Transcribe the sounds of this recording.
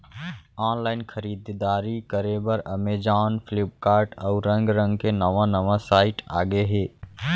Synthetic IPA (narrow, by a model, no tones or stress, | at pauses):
aːnlaːɪnkʰəɾiːd̪d̪aːɾikəɾebəɾɐmeːd͡ʒaːnfʰɪlɪp̚kaːɾʈɔːʊɾə̃ŋɡɾə̃ŋɡkenəʋãnəʋasaːɪʈa̰ːɡeɦeː